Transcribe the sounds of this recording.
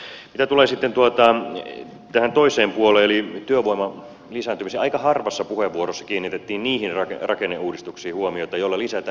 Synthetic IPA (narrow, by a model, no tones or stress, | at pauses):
mit̪æt̪uleːsit̪ːent̪uot̪ɑ | t̪æhænt̪oiseːmpuoleːelit̪yøʋoimɑ | lisæːnt̪ymiseɑikɑhɑrʋɑsːɑpuheʋːuoɾosːɑ̥kiːnːit̪et̪ːiːnniːhinrɑkerɑkenːeʔuːdist̪uksiːhuomiot̪ɑjolːɑlisæt̪æ